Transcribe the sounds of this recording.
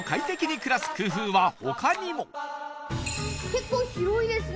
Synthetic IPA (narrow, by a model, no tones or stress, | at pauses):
kait̪e̞kʲiɲ̟ikɯ̟ɾasɨ̥kɯ̟ːɸɯːβaho̞̰kaɲ̟imo | ke̞kːoːçiɾo̞id̪e̞sɨ